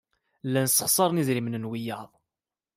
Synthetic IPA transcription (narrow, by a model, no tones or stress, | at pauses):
lːænsːə̥χsˤɑɾˤnizɾimənənwijːɑðˤ